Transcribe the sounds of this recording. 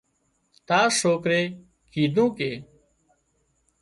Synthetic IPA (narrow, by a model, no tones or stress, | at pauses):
t̪aːsoːkɾeː | kʰiːd̪ʱũːkeː